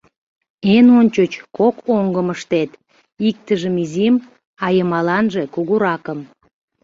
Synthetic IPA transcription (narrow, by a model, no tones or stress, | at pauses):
enonʲt͡ɕot͡ɕkokoŋɡəməʃt̪et̪ | ik̚t̪əʒəmizim | ɑjəmɑlɑnʒe̽kuɣuɾɑkəm